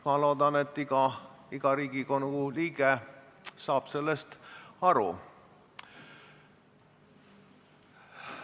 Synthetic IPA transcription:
mɑlo̞ːd̪ɑne̞t̪ːˑiɡ̥ɑ | iɡ̥ɑɾiːɡ̥iko̞nuuliːɡ̥esɑːb̥se̞lːe̞st̪ɑɾṵ

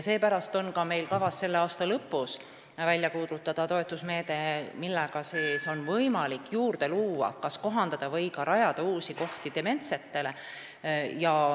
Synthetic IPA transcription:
se̞ːpæɾɑst̪o̞nkɑme̞jlkɑvɑsːe̞lːeɑːst̪ɑlɤpːˑus | vælʲjɑkuːd̪lut̪ːˑɑd̪̥ɑt̪o̞et̪ːˑusme̞ːd̪̥e̞milːɛɡ̥ɑseːso̞nvɤjmɑlikːjuːrd̪̥e̞luːɑ̰kɑsko̞ɦɑnd̪̥ɑd̪̥ɑvɤjkɑɾɑjɑd̪̥ɑuːsiko̞ht̪id̪̥e̞me̞nt̪set̪ːe̞le̞ | jɑ

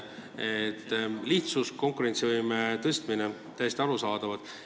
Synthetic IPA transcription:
et̪ːliht̪susko̞ŋkuɾe̞nt̪sivɯjmet̪ɤst̪mine | t̪æjest̪iɑɾusɑːd̪̥ɑvɑd̪̥

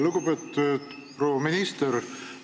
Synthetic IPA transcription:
luɡ̥upeːt̪ːud̪pɾoːɑminist̪eɾ

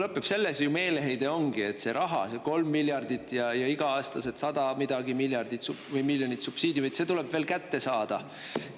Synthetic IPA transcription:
lɤpːˑepse̞lːesjume̞ːleɦejd̪̥e̞o̞ŋɡ̥ie̞t̪se̞ɾʔɑɦɑ̰seko̞lmːiljɑrd̪̥it̪ːˑjɑjɑiɡ̥ɑɑːst̪ɑse̞t̪sɑd̪̥ɑmid̪̥ɑɡimiljɑrd̪̥it̪suvɤjmiljo̞nit̪supsiːd̪jumit̪se̞t̪ule̞b̥veːlkæt̪ːe̞sɑːd̪̥ɑ

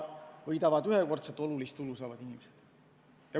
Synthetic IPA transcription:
vɤjd̪ɑvɑd̪yɦeko̞rt̪set̪ːˑo̞lulist̪ulusɑːvɑd̪inimesed̪̥ | jɑ

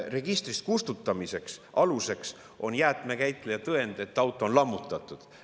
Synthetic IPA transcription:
re̞ɡ̥ist̪rist̪̚kust̪ut̪ˑːɑmise̞ksʔɑluse̞ks | ʔo̞njæːt̪me̞kæjt̪ːˑlejɑt̪ɤe̞nd̪̥e̞t̪ːˑɑwt̪ːˑoonlɑmːut̪ːˑɑt̪ːˑud̪̥

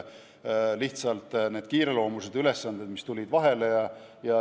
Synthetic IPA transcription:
liht̪sɑlt̪ˑne̞ːd̪̥kiːɾe̞lo̞ːmuse̞d̪̥yle̞sːɑnd̪ed̪mist̪ulʲid̪̥vɑɦe̞le̞jɑ | jɑ

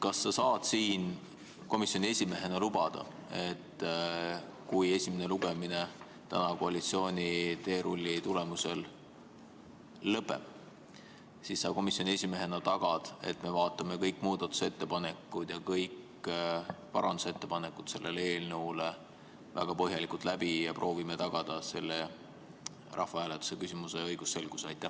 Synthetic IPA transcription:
kɑsːɑsɑːd̪̥siːn | ko̞misjo̞nʲie̞sʲime̞ɦe̞nɑlub̥ɑd̪̥ɑ̰ | e̞t̪ː | kuje̞sʲimene̞luɡ̥emine | t̪æ̰nɑkoɑlʲit̪sio̞ːnʲit̪e̞ːɾulʲːit̪ule̞muse̞l | ɤpːḛm | sisːɑːko̞misjo̞nʲie̞sʲime̞ɦe̞nɑt̪ɑɡ̥ɑd̪̥e̞̰t̪me̞vɑːt̪ˑːɑme̞kɤjkːˑmuːd̪̥ɑt̪ːu̥se̞t̪ːe̞pɑne̞kːˑud̪̥jɑkɤjk | pɑɾɑ̰nd̪̥use̞t̪ːe̞pɑnekːˑut̪se̞lːʔe̞lee̞ːlnɤwle | væ̰ɡ̥ɑpɤɦjɑlikˑult̪læbijɑprʔo̞ːvimet̪ɑɡ̥ɑd̪̥ɑse̞lːe | rʔɑ̰hfɑhæːlet̪ːu̥se̞kysimuse̞ɤjɡ̥usːe̞lɡ̥usɑjt̪ːˑæh

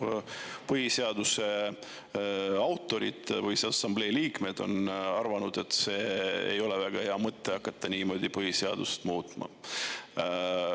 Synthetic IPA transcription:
pɤɦise̞ɑd̪use̞ | ɑwt̪ːˑo̞ɾit̪vɯsesɑmble̞ːliːkme̞d̪̥o̞̰nɑrvɑnud̪̥e̞t̪ːse̞ːḛjo̞levæɡ̥ɑhe̞ɑmɤt̪ˑːeɑkːɑt̪ːɑniːmo̞ːd̪̥ʲipɤɦiseɑd̪ust̪muːt̪ˑmɑ̰

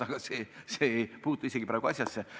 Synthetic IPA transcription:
ɑɡ̥ɑsesejpuːt̪ːˑuiseɡ̥ipɾæːɡ̥uɑsʲjɑsːe

